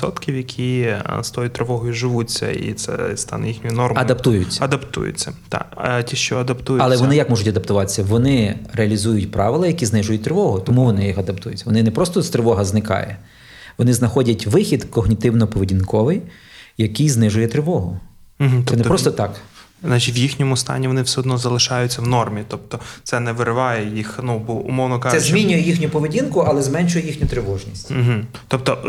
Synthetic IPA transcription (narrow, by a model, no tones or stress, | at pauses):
ʋsɔt̪kʲiwjɐkʲʰist̪ɔjʊt̪ɾɪʋɔɦɔjʊʒɪʋut͡sʲːɐ̰ḭt̪sɛ̰st̪ɑ̰nɛjixnʲʊjʊnɔrmɐd̪ɐpt̪ujʊt͡sʲːɐɐd̪ɐpt̪ṵjʊ̰t͡sʲːɐt̪ɑ̰ktʲiʃt͡ʃɔɐd̪ɐpt̪ujɐlˠɛʋɔnɪjɐkmɔʒʊtʲɐd̪ɐpt̪ʊʋɑt̪e̥sʲːɐʋɔnɪɾeɐlʲizujʊtʲpɾɑʋɪlˠɐjɐkʲiznɪʒʊjʊt̚ʲt̪ɾɪʋɔɦʊt̪ɔmuʋɔnɪjixɐd̪ɐpt̪ujʊt͡sʲːɐʋɔnɪnɛpɾɔst̪ɔst̪ɾɪʋɔɦɐznɪkɑ̰jɛ̰ | ʋɔnɪznɐxɔdʲɐtʲʋɪxʲid̪kɔɦnʲit̪ɪwnɔpɔʋɪdʲinkɔʋɪj | jɐkijznɪʒʊjɛt̪ɾɪʋɔɦʊ | ɦ̩̪ɛnɛpɾɔst̪ɔt̪ɑk | znɑt͡ʃitʲʋjixnʲɔmʊst̪ɑ̰nʲiʋɔnɪwsʲɛɔd̪nɔzɐlˠɪʃɑjʊt͡sʲːɐwnɔrmʲit̪ɔp̚t̪ɔt̪sɛnɛʋɪɾɪʋɑjɛjixnubɔʊ̰mɔwnɔkɑɛzmʲinʲʊjɛjixnʲʊpɔʋɪdʲinkʊɐlˠɛzmɛnt͡ʃʊjɛjixnʲʊt̪ɾɪʋɔʒnʲisʲt̩ʲɦ̩ | t̪ɔp̚t̪ɔ